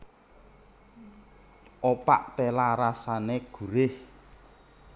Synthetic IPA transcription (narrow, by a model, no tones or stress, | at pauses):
ʔopa̰ʔt̪elaɾasaneɡ̥ṳɾɪh